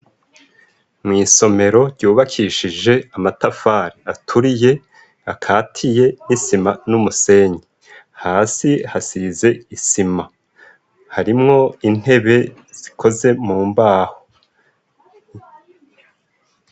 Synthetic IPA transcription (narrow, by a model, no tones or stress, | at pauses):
mŋiːso̞me̞ɾo̞ɾɟuːβakʰiʃid͡ʒe̞amatafaːɾiatʰuɾije̞ | akʰaːtʰije̞nisimanumuse̞ːɲe | haːsihasize̞isima | haɾimŋo̞in̥he̞βe̞ | z̥ikʰo̞ze̞muːmbaːho